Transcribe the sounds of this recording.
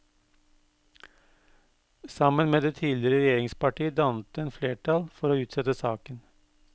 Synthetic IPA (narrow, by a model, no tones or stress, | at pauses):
sɑmənmeːd̪eːt̪ʰiːlɪɾəɾɛjeːɾɪŋspɑʈiːəd̪ɑnt̪eːnfleːʈʰɑlfɔɾoːʉːt̪sɛt̪əsɑːkən